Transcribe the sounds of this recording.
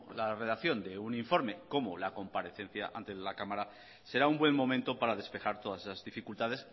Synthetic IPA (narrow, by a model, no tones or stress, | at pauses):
lare̞ð̞akθjo̞nd̪e̞uniɱfo̞ɾme̞ko̞molako̞mpaɾe̞θe̞n̟θja̰ʔa̰nt̪e̞lakamaɾa | se̞ɾaumbwe̞mmo̞mẽnt̪o̞paɾaðe̞spe̞xaɾt̪o̞ð̞asesazðifikult̪að̞e̞s